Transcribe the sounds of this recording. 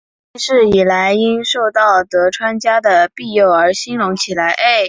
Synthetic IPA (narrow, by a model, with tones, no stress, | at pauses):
i˥ʂɻ̩˥˩i˨˩la˧˥ɪi˥nʂo˥˧ʊt̪ɑ˥˩ʊt̪ɤ˧˥ʈ͡ʂʰwa˥nt͡ɕja˥d̪ə˨pi˥˧jo˥˩ʊə˞˧˥ɕi˥nɻʊ˧˥ŋt͡ɕʰi˨˩la˧˥ɪʔe˥˩ɪ